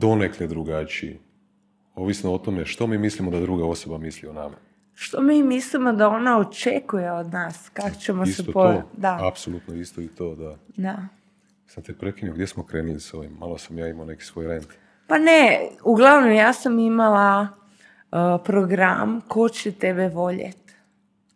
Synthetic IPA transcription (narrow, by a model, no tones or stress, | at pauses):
d̪o̞nekled̪ɾuɡat͡ʃiḭ | oʋisnoot̪o̞meʃt̪o̞miːmislimod̪ad̪ɾuɡao̞so̞bamisliona̰ma̰ | ʃt̪o̞miːmislimo̞d̪ao̞naot͡ʃekuje̞o̞d̪naːskako̥t͡ɕemoiset̪opood̪aapsolˠut̪noist̪oit̪oːd̪ad̪a | samt̪epɾekinioɡd̪jesmokɾeːnilisoʋimːalosamjaːimaone̞ki̥sʋojɾeːnt̪ | paneuɡlˠaʋnomjaːsamimala | pɾoɡɾa̰mko̞t͡ɕet̪e̞beʋo̞ʎḛt̪